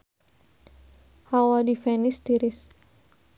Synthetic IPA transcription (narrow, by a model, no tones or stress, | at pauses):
hawadifɛnɪst̪iɾɪs